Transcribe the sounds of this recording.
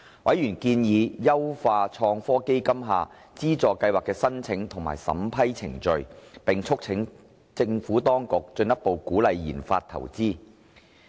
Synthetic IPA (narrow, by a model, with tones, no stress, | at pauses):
wɐ˨˥jyː˨˩nkiː˧njiː˨˧jɐ˥wfaː˧t͡ʃʰɔː˧ŋfɔː˥ke˥jkɐ˥mɦa̰ː˧ | t͡siː˥t͡sɔː˨˧kɐ˧jwaː˨kːɛː˧sɐ˥nt͡sʰɪ˨˥ŋt̪ʰʊ˨˩ŋma̰ː˨˩jsɐ̰˨˥mpʰɐ˥jt͡sʰɪ˨˩ŋt͡ʃɵ˨˧ɥpɪ˨ŋt͡ʃʰʊ˥k̚t͡sʰɪ˨˥ŋ | t͡sɪ˧ŋfuː˨˥t̪ɔː˥ŋkʊ˨k̚t͡ʃɵ˧njɐ˥t̚po˨wkuː˨˥lɐ˨˧jːḭː˨˩nfa̰ː˧t̪ʰɐ̰˨˩wt͡siː˥